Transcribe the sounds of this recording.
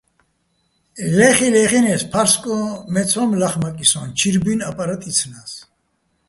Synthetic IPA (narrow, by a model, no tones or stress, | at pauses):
lɛχilɛχinɛspʰaɾskʼɔmɛt͡sʰɔmlaχmakʼisɔnt͡ʃʰiɾbinapʼaɾat̪ʼit͡sʰnas